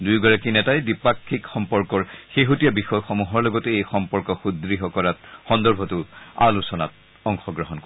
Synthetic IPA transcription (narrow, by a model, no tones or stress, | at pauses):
dujɡɔɹakinɛtajdipakʰːikxɔmpɔɹkɔɹxeɦutijabixɔjxɔmuɦɔɹlɔɡɔteejxɔmpɔɹkɔxudɹiɦɔkɔlatxɔndɔɹbʱɔtʊa̰lusɔna̰t̚ | ɔŋxɔɡɹɔɦɔnkɔ